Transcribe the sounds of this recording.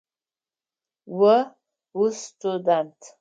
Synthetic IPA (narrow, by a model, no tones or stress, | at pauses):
wə | ustʰudantʰ